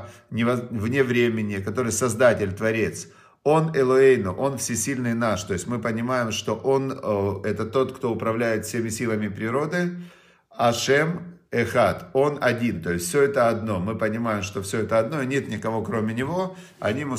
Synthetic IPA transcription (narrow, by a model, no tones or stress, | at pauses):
nʲɪvɐvnʲevɾʲemʲɪnʲɪkɐt̪o̞ɾɨjsɐzd̪atʲɪlʲt̪vɐɾʲe̞t̪s | o̞nɛlˠoejnʊʔo̞nfsʲɪsʲilʲnɨjnaʂt̪o̞jɪsʲtʲmɨpənʲɪmajɪmʂt̪o̞ʔo̞nɛt̪ət̪o̞t̪kt̪o̞ʊpɾɐvlʲæjɪt̪fsʲemʲɪsʲilˠəmʲɪpɾʲɪɾo̞d̪ɨ | ɐʂɛmɛxat̪o̞nɐdʲint̪o̞jɪsʲfsʲoɛt̪əɐd̪no̞mɨpənʲɪmajɪmʂt̪o̞fsʲɵɛt̪əɐd̪no̞inʲe̞t̪nʲɪkɐvo̞kɾo̞mʲɪnʲɪvo̞ | ɐ̰nʲimɨ